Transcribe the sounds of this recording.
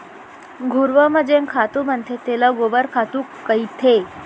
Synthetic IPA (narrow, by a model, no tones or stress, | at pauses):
ɡʱuɾʋəməd͡ʑeŋkʰat̪umənt̪ʰet̪eləɡobəɾkʰat̪uːkːəit̪ʰe